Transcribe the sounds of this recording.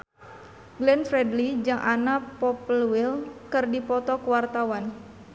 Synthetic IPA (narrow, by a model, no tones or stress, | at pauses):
ɡlɛnfɾɛdlid͡ʒaŋʔanapɔplwɪlkɨrdipɔt̪ɔkuwart̪awan